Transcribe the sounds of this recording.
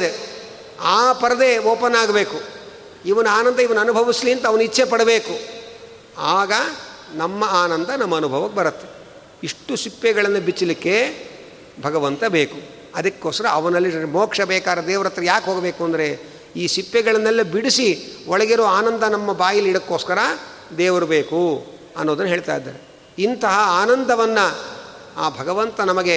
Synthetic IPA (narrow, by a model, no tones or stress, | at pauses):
d̪e | aːpɐɾɐd̪e̞ːoːpɐnːaːɡɐbeːku | iʋɐnuaːnɐnd̪ɐiʋɐnuɐnubʱɐʋisliɐnt̪ɐʋɐnuit͡ʃːʰepɐɽɐbeːku | aːɡɐnɐmːɐaːnɐnd̪ɐnɐmːɐːnubʱɐʋɐkːebɐɾɐt̪ːe̥ | iʂʈːusipːɛɡɐɭɐnːɐbit͡ʃːɐlikːe̞ | bʱɐɡɐʋɐnt̪ɐbeːku | ɐd̪ɐkːoːsɐɾɐːʋɐnɐlːimoːkʂɐbɛːkaːɾɐd̪ɛːʋɐɾɐt̪ːɾɐjaːkɦoːɡɐbeːkuɐnd̪ɐɾe̞ | iːsipːɛɡɐɭɐnːɐlːɐbiɽisiɔɭɐɡeɾoːaːnɐnd̪ɐnɐmːɐbaːjɐlːiɽɐkːoːskɐɾɐ | d̪ɛːʋɐɾubeːku | ɐ̰nːoːd̪ɐnːɐɦeːɭt̪a̰ːjd̪ːa̰ːɾe | int̪ɐɦɐaːnɐnd̪ʱɐʋɐnːɐ | aːbʱɐɡɐʋɐnt̪ɐnɐmɐɡe̞